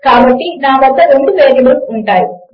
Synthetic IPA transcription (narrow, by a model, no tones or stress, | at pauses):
kaːbɐʈːinaːmɐd̪ːɐɾeɳɖupeːdilɐmuɳʈaːji